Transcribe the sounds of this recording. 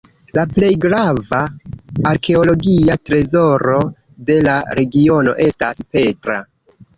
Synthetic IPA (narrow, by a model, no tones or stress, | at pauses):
laple̞jɡɾavaː | ɾke̞o̞lo̞ɡiatɾe̞zo̞ɾo̞ | de̞laɾe̞ɡio̞no̞̰ʔe̞sta̰spe̞tɾa̰